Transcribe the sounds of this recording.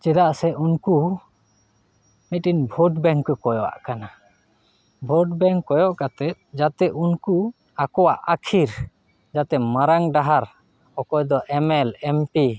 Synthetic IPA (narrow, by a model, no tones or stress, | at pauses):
t͡ʃɛd̪aʔsɛunku | mit̪̚inbʱɔɖbɛŋkːɔkɔjɔʔa̰ʔkana | bʱɔɖbɛŋkːɔjɔʔkat̪ɛt̪̚d͡ʒat̪ɛunku | akɔwaʔakʰiɾ | d͡ʒat̪ɛmaɾaŋɖaɦaɾ | ɔkɔjd̪ɔʔɛmɛlɛmpi